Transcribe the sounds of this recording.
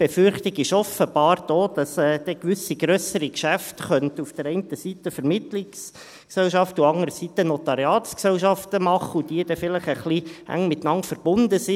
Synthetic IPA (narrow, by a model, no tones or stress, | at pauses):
b̥efʏrχt̪ɪɡɪʃɔfəbɑːɾd̥oːd̥ɑsɛːd̥ɛkʋʏsiɡɾœsəɾikʃæftχœntufd̥əɾɛɪntəsitəfɛɾmɪtlɪks | ksɛlʃɑftuɑŋəɾəsitənɔt̪ɑɾiɑːtsksɛlʃɑftəmɑχəud̥iədɛfɪləχəχliʔæ̰ŋmɪt̪ːnɑnfəɾb̥ʊndəsi